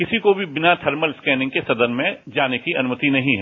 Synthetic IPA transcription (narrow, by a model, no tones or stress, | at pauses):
kɪsikobʱibɪnat̪ʰɐɾməlskɛːnɪ̃ŋɡ̚kesɐd̪əɾmẽd͡ʒaːnekiɐnʊmət̪inɐɦĩɦɛ